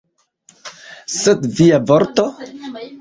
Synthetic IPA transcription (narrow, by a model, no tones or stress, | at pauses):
sed̪viavoɾt̪o